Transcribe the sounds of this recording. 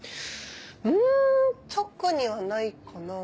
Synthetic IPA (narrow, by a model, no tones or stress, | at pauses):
ɯ | t͡ɕʰʌk͈ɯɲiwanːaik͈ona